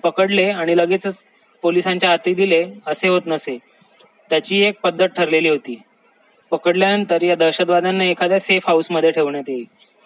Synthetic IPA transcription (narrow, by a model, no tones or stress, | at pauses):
pəkəɽleaɽ̃iləɡet͡sə | polisaɲt͡ɕjaɦat̪iːd̪ileəseɦot̪nəse | t̪jat͡ɕiːek̚pəd̪ʱːət̪̚ʈʰəɾleliːɦot̪iː | pəkəɽljaənt̪əɾjad̪əɾɕət̪ʋad̪anːaekʰad̪jasefɦausməd̪ʱjeʈʰeʋɳjat̪jei